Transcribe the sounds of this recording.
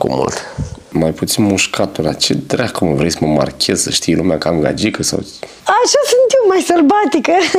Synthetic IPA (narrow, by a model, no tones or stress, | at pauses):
kṵmṵlt̪ | majput̪sinmuʃkʰat̪ula̰t͡ʃḛd̪ɾahkuməvɾesəməma̰rkʲʰezsəʃt̪ijelumeakamɡa̰d͡ʒikəsa̰w | aʃasɨnt̪iwmajsɐlbat̪ikə